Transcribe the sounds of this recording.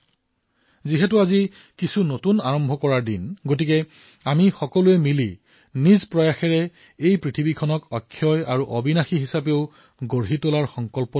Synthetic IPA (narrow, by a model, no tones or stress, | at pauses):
ziɦɛt̬ʊazi | kisunotunaɹɔmbʱɔkɔɹaɹdinɡot̬ikɛ | amixɔkɔluɛmilḭ | nizpɹɔjaxɛɹɛ | ejpɹitʰibikʰɔnɔkɔkʰːjɔjaɹuʔɔbinaxiɦisapeʊ | ɡoɹɦitolaɹxɔŋkɔlpɔ